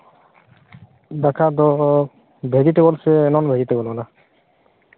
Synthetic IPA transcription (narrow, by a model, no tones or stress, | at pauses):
d̪akʰad̪ɔ | bʱedit̪ebɔlsɛːnɔnbʱedit̪ebɔlɔla